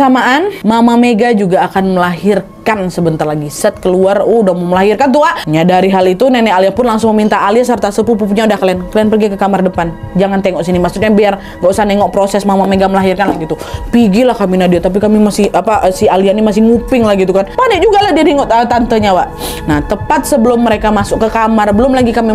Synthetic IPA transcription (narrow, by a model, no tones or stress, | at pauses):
samaʔanmamameɡad͡ʒuɡaːkanməlaɦirkansəbənt̪arlaɡisət̪̚kəluaruudamoməlaɦirkant̪̬uaʔɲadaɾiɦalit̪unɛnɛaliapʊnlaŋsʊŋməmint̪aaliasərt̪asəp̬up̬up̬uɲaudahkliɛnkəliɛnpərɡikəkamardəpand͡ʒaŋant̪eŋɔʔsinimaksut̪̚ɲabiar | ɡaʔusaneŋɔʔpɾosɛsmamaŋmeɡaməlaɦirkanlaɡit̪upiɡilahkaminadiat̪ap̬ikamimasɪhapaʔsialiaʔnimasɪhŋupɪŋlahɡit̪ukanpanɛd͡ʒuɡalahdidiŋɔʔt̪ət̪ant̪əɲawaʔ | naht̪əpat̪̚səbəlʊmːəɾekamasʊkːəkamarbəlʊmlaɡikami